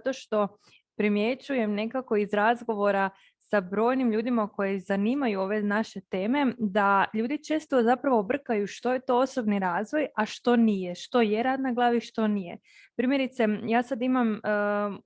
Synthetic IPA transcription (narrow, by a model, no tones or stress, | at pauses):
at̪o̞ʃt̪o̞ | pɾimjet͡ʃuje̞mne̞kako̞izɾazɡo̞ʋo̞ɾa | sabɾo̞ːjnimʎuːd̪imako̞jizaniːmajuo̞ːʋe̞naʃe̞t̪e̞ːme̞d̪aʎuːd̪it͡ʃe̞ːst̪o̞zapɾaʋobr̩kajuʃt̪o̞je̞t̪o̞oso̞bniɾaːzʋo̞jaʃt̪o̞nijeʃt̪o̞jeɾaːd̪naɡlˠaːʋiʃt̪o̞nije̞̰ | pɾimje̞ɾit̪se̞jaːsad̪imam